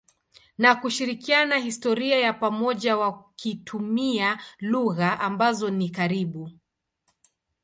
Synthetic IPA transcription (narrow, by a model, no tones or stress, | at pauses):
nakuʃiɾikianahistɔɾiajapamɔʄawakitʰumialuɣaʔambazɔnikaɾiɓu